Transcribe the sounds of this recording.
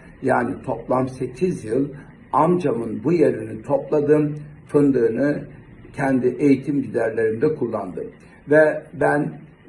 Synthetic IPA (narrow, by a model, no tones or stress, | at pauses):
jaːnit̪ʰo̞plˠamse̞cʰizjɯlˠ | amd͡ʒamɯnbujeɾinit̪ʰo̞plˠad̪ɯmfɯnd̪ɯːnɯ | cʰɛnd̪iʔe̞jit̪ʰimdid̪æɾlʲe̞ɾind̪ɛkʰulˠːand̪ɯm | vɛbæn